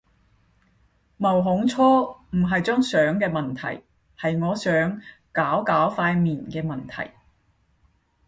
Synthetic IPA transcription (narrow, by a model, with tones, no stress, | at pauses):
mɐ˨˩wɦʊ˨˥ŋt͡sʰɔː˥m̩˨˩ɦɐ˨jt͡ʃœː˥ŋsœː˨˥ŋkɛː˧mɐ˨nt̪ʰɐ̰˨˩j | hɐ˨jŋɔː˨˧sœː˨˥ŋkaː˨˥wkaː˨˥wfaː˧jmiː˨˩nkɛː˧mɐ˨nt̪ʰɐ̰˨˩j